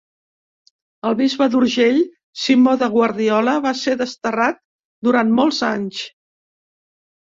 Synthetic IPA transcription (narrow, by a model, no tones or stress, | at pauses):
əlˠβizβəðuɾʒeʎ | simoðəɣwəɾðiɔləβaseðəst̪ərat̪̚ | d̪uɾanmolˠzaɲs